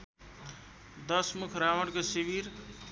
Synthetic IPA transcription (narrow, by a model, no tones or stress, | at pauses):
d̪ʌsmukʰɾawəɽkosibiɾ